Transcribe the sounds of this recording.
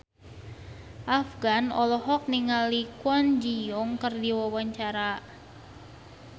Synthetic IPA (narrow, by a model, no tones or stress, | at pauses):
ʔafɡanɔlɔɦɔk̚niŋalikwɔnd͡ʒijɔŋkərdiwawaɲt͡ʃaɾa